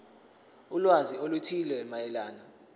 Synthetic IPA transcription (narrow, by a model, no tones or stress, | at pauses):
ulwaziolutʰilwɛmajɛlaːnɔ